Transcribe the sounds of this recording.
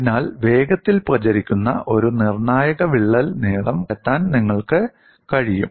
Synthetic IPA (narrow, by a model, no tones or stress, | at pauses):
naːlʋe̞ːɡɐt̪ːilprɐt͡ɕɐɾikʲːunːɐ̰ʔo̞ɾunirɳaːjɐɣɐʋiɭːɐlneːɽɐmɐt̪ːaːnniŋːɐɭkɨ | kɐɻijṵm